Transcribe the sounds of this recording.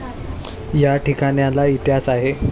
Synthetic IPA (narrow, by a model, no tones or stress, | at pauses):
jaʈikaɽjãlait̪jasaɦe